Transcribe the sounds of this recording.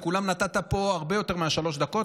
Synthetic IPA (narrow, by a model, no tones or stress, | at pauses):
kulamnat̪at̪apo̞aʁbe̞jo̞t̪e̞ʁmeaʃalo̞ʃd̪ako̞t